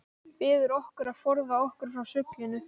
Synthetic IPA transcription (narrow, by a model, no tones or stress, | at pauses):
pɪːðʏɾɔhkʏɾaðfɔɾðaɔhkʏɾ̥fɾawsʏklɪnʏ